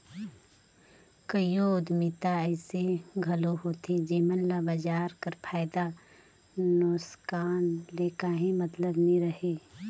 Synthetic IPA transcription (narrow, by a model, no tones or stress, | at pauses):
kəjoːd̪mɪt̪aɛːseɡʱɐloɦoːt̪ʰed͡ʒeːmənlabəd͡ʒaːɾkəɾpʰaːɪd̪a | noːskaːnleːkaɦĩmɐt̪ləbniɾɐheː